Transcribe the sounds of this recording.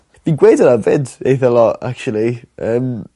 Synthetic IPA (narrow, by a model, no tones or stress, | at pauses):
d̥inɡweːdəɾəvɪdejθəlˠɔa̰k̚t͡ʃuəlˠiʔəːm